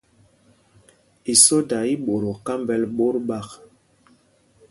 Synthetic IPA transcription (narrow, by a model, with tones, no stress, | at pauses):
i˨so˦da˨i˦ɓo˨ɾo˨ka˦mbɛ˦lɓo˦ɾɓa˦˨k